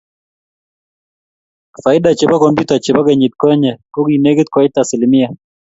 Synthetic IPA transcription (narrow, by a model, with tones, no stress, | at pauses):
fa˨ɪ˦da˨t͡ʃe˨ba˦kɔ˨mpju˦ta˨t͡ʃe˨ba˦kɛ˨ɲi˨t̚kɔ˦ɲɛ˨kɔ˦ki˨ne˦kɪ˦t̪̚kwa˨i˦ta˨sɪ˨li˨mɪ˦ja˨